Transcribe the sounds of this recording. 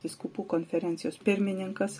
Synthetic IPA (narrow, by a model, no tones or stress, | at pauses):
ɪskupuːkonʲfʲɛɾʲɛnt̪sʲɪjoːspʲɪɾʲmʲɪnʲɪŋkɐs